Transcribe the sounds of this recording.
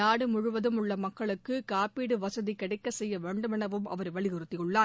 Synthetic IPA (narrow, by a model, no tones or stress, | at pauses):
aːɽɯmʊɻʊʋɐðɯmʊɭːɐmɐkːɐɭɯkːɯkaːpiːɽɯʋɐsɐðikːɐɽɛɪkːɐsɛjːɐʋeːɳɖɯmɪnɐʋɯmɐ̰ʋɐɾʋɐɭɪɣɯrɯt̪ːɪjɯɭːaː